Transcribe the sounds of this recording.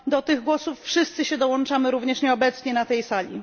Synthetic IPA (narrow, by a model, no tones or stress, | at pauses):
d̪ɔt̪ɘɣɡwɔsufːʂɘst̪sɘɕɛd̪ɔwɔnt͡ʂamɘɾuvɲɛʂɲɛɔbɛt̪sɲɛnat̪ɛjsalʲḭ